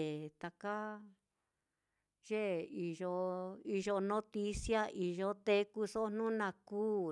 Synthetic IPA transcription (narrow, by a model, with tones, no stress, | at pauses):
t̪a˧ka˦ | ʒe˦i˧ʒo˧i˧ʒo˧nõ˦t̪i˧sja˦ʔi˨ʒo˧t̪e˧ku˧so˦n̥nũ˦nã˧kuː˦